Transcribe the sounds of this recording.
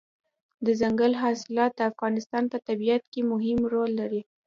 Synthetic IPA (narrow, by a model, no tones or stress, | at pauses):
d̪əzaŋɡəlɦɑsɪlɑt̪̚d̪əafɣɑnɪst̪ɑnpət̪abijat̪kemʊɦɪmɾolːaɾi